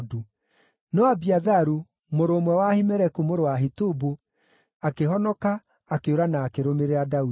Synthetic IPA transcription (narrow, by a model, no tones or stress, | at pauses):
du | nɔabiaðaɾu | moɾoːmwɛwahimɛɾɛkumoɾowaɦitubo | akeɦɔnɔkaː | keoɾanaːkeɾomeɾeɾadau